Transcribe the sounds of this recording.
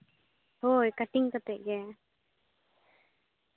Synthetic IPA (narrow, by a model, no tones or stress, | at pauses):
hojkaʈiŋkat̪eʔje